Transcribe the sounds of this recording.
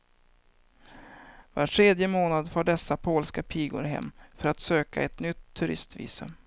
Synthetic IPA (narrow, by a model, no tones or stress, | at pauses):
vaʈʰɾeːd̪jəmoːnad̪foːɖɛsːapʰoːlskapʰiːɡʊ̰ɾɦɛ̰mːfœɾat̪søːka̰ɛt̪nʏt̪ʰːɵɾɪ̰st̪vḭːsɵ̰m